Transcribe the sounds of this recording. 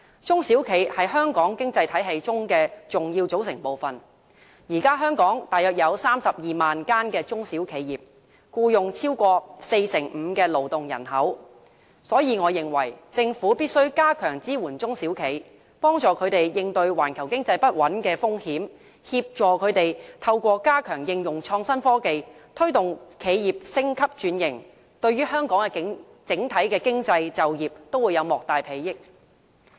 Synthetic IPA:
t͡sʊ˥ŋsiː˨˥wkʰe˨˧jhɐ˨jhœː˥ŋkɔː˨˥ŋkɪ˥ŋt͡sɐ˧jt̪ʰɐ˨˥jɦe˧jt͡sʊ˥ŋkɛː˧t͡sʊ˨ŋjiː˧wt͡so˨˥wsɪ˨˩ŋpo˨wfɐ˨n | jiː˨˩kaː˥ɦœː˥ŋkɔː˨˥ŋt̪aː˨jœː˨t̚jɐ˨˧wsaː˥msɐ˨p̚jiː˨maː˨nkaː˥nkɛː˧t͡sʊ˥ŋsiː˨˥wkʰe˨˧jjiː˨p̚ | kuː˧jʊ˨ŋt͡sʰiː˥wkʷɔː˧se˧jsɪ˨˩ŋm̩ː˨˧kɛː˧lo˨˩wt̪ʊ˨ŋjɐ̰˨˩nhɐ˨˥w | sɔː˨˥jiː˨˧ŋɔː˨˧jɪ˨˩ŋwɐ˨˩jt͡sɪ˧ŋfuː˨˥piː˥t̚sɵ˥ɥkaː˥kʰœː˨˩ŋt͡siː˥wuː˨˩nt͡sʊ˥ŋsiː˨˥wkʰe˨˧j | pɔː˥ŋt͡ʃɔː˨˧kʰɵ˨˧ɥt̪e˨jjɪ˧ŋt̪ɵ˧ɥwa̰ː˨˩nkʰɐ˨˩wkɪ˥ŋt͡sɐ˧jpɐ˥t̚wɐ˨˥nkɛː˧fʊ˥ŋhiː˨˥m | hiː˧p̚t͡ʃɔː˨˧kʰɵ˨˧ɥt̪e˨jt̪ʰɐ˧wkʷɔː˧kaː˥kʰœː˨˩ŋjɪ˧ŋjʊ˨˩ŋt͡ʃʰɔː˧ŋsɐ˥nfɔː˥ke˧jt̪ʰɵ˥ɥt̪ʊ˨ŋkʰe˨˧jjiː˨p̚sɪ˥ŋkʰɐ˥p̚t͡ʃyː˨˥njɪ˨˩ŋ | t̪ɵ˧ɥyː˥hœː˥ŋkɔː˨˥ŋɛ˧˥ | t͡sɪ˨˥ŋt̪ʰɐ˨˥jkɛː˧kɪ˥ŋt͡sɐ˧jt͡sɐ˨wjiː˨˩p̚t̪o˥wuː˨˧jɐ˨˧wmɔː˨k̚t̪aː˨jpʰe˨˧jjɪ˥k̚

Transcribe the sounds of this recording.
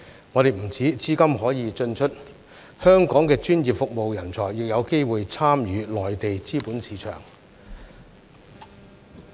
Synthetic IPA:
ŋɔː˨˧ɾe˨jm̩˨˩t͡sʰiː˨˥t͡siː˥kɐ˥mɦɔː˨˥jiː˨˧t͡ʃɵ˧nt͡ʃʰɵ˥t̚ | hœː˥ŋkɔː˨˥ŋkɛː˧t͡ʃyː˥njiː˨˩p̚fʊ˨k̚mo˨wjɐ˨˩nt͡sʰɔː˨˩jːɪ˨k̚jɐ˨˧wke˥jwuː˨jt͡sʰaː˥mjyː˨˥lɔː˨jt̪e˨jt͡siː˥puː˨˥nsiː˨˧t͡ʃʰœ̰ː˨˩ŋ

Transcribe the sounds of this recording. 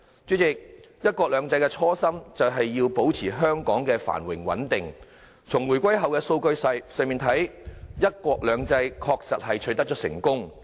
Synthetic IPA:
t͡ʃy˨˥t͡sɪ˨k̚ | jɐ˥t̚kʷɔː˧k̚lœː˨˧ŋt͡sɐ˧jkɛ˧t͡sʰɔː˥sɐ˥mt͡sɐ˨wɦɐ˨jːiː˧wpo˨˥wt͡sʰiː˨˩ɦœː˥ŋkɔː˨˥ŋkɛː˧fa̰ː˨˩nwɪ˨˩ŋwɐ̰˨˥nt̪ɪ˨ŋ | t͡sʰʊ˨˩ŋwu˨˩jkʷɐ˥jɦɐ˨wkɛː˧so˧wkɵ˧ɥsɐ˧jsœː˨ŋmiː˨nt̪ʰɐ˨˥jjɐ˥t̚kʷɔː˧k̚lœː˨˧ŋt͡sɐ˧jkʰɔː˧k̚sɐ˨t̚hɐ˨jt͡ʃʰɵ˨˧˥t̪ɐ˥k̚t͡ʃɔː˨˥sɪ̰˨˩ŋkʊ˥ŋ

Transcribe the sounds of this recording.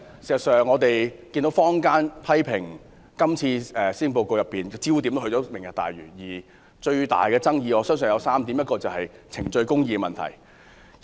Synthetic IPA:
si˨˩sɐ˨˩sœː˨˩ŋːɔː˨˧t̪e˨jki˧nt̪o˨˥wfɔː˥ŋkaː˥npʰɐ˥jpʰɪ˨˩ŋ | kɐ˥mt͡sʰiː˧ɛː˨siː˥ŋpo˧wko˧wjɐ˨pːiː˨˩nt͡siː˥wt̪̬i˨˥mt̪o˥hɵ˧t͡sɔː˨˥mɪ˨˩ŋjɐ̰˨k̚t̪a̰ː˨jɥy̰ː˨˩njiː˨˩ | t͡ʃɵ˧ɥt̪a̰ː˨˩jkɛː˧t͡sɐ˥ŋjiː˧ɔː˨˧sœː˥ŋs̬œ˨njɐ˨˧wsaː˥mt̪i˨˥mjɐ˥t̚kɔː˧t͡sɐ˨wɦɐ˨jt͡sʰɪ˨˩ŋt͡ʃɵ˧ɥkʊ˥ŋjiː˧kɛ˧mɐ˨nt̪ʰɐ̰˨˩j

